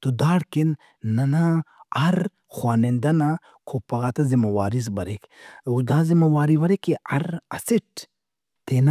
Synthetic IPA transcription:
t̪ud̪aːɽkinː | ɐnaɐɾ | xwaːnend̪ɐna | kʰopɐɣat̪ɐzimɐwaːɾizbɐɾekud̪aːzimɐwaːɾiʋɐɾekiɐɾɐ̰siʈ | t̪eːna

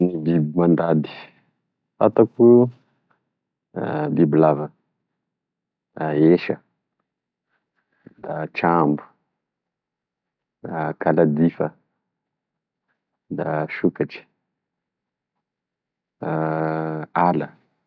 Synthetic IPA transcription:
nibibimand̪ad̪i̥ | fat̪aku | bibilavə | d̪aeʃə | d̪at͡ʃambu̥ | d̪akalad̪ifə | d̪aʃukat͡ʃi̥ | a | alə

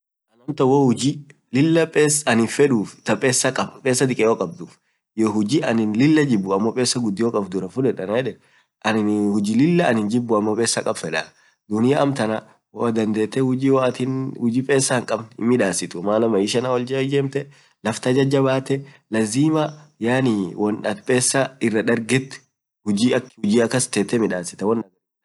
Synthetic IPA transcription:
ʔɐnɐmt̪ɐwɔhʊd͡ʒi | lɪlːɐpʼeːsɐnɪfɛᶑuːft̪ɐpʼeːsːɐkʼɐbpʼe̞ːsːɐd̪ɪkʼɛjoːkʼɐb̚d̪uːf | jɔɦʊd͡ʒiʔɐnɪnlɪlːɐd͡ʒɪbːʊɐmːopʼeːsːɐɡʊd̪ːɪjokʼɐfd̪ʊɾɐfʊᶑɛᶑɐnɐjɛᶑɛ | ʔɐnɪhʊd͡ʒilɪlːɐɐnɪnd͡ʒɪbːʊɐmːɔpʼeːsːɐkʼɐbfɛᶑɐ | d̪ʊnɪjɐʔɐmt̪ɐnɐ | wɔd̪ɐnd̪eːt̪ːɛhʊd͡ʒiːwt̪ɪnhʊd͡ʒiːpʼe̞ːsːɐhɪŋkʼɐbnmɪᶑaːsɪt̪ʊmaːnɐmɐɪʃɐnawɔld͡ʒd͡ʒeːmt̪ɛ | lɐft̪ɐd͡ʒɐd͡ʒːɐbaːt̪ɛ | lɐziːmɐjaːnɪwɔnᶑɐt̪pʼeːsːɐɪrːɐᶑ̪ɐɾɡɛt̪ː | hʊd͡ʒiɐkhʊd͡ʒiːɐkːɐst̪eːt̪ːɛmɪᶑaːsɪ̥t̪ɐwɔnːɐɡɛ

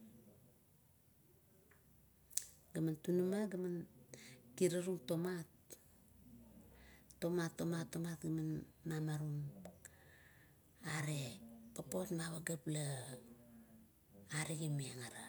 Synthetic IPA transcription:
ɡamantunumaɡaman | kiɾaɾuŋto̞mat | o̞matːo̞matːo̞matɡamanmamaɾuŋ | aɾepapo̞tmaβaɡapla | aɾeɡimiaŋaɾa

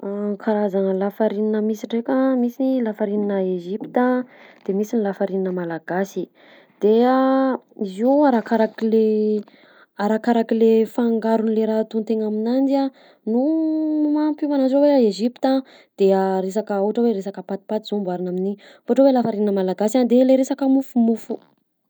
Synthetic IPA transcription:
aŋkʰaɾazanəlafaɾininəmisiɖ͡ʐekʲəmisiilafaɾininəeʒipit̪əd̪̥emisinilafaɾininəmalaɡasi | d̪̥eaiziaɾakaɾakile | aɾakaɾakilefaŋɡaɾunleɾat̪unt̪eŋaminand͡ʒia | numampuvanad͡ʒoweaeʒipt̪a | d̪̥eaɾes̬akəoɦʈ͡ʂəweɾesakəpat̪i̥pat̪iz̥umbaɾinamini | fauʈ͡ʂowelafaɾininəmalaɡasand̪eleɾesakəmufumufu

